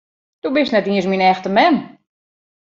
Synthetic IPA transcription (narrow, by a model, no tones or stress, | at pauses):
d̥ubɪsnɛtiəsminɛxtəmɛn